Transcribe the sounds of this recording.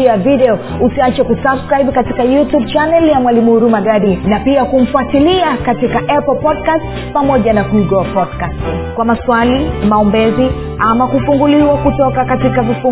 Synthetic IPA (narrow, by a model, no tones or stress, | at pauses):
avidɛɔ | usiat͡ʃakusabskɾaiɓkatikajutub̚t͡ʃanɛljamwalimuhuɾumaɡaɗinapiakum̩fuatiliakatikaʔɛpl̩pɔdkast | pamɔʄanakuiɡɔapɔdkastkwamaswalimaɔmbɛzi | amakufuŋɡuliwakutɔkakatikavifu